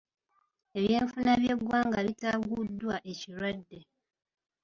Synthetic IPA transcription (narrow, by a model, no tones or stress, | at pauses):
e̞βje̞ːɱfunaβje̞ɡːwaːŋɡaβitaɡudːwaʔe̞ciɾwadːe̞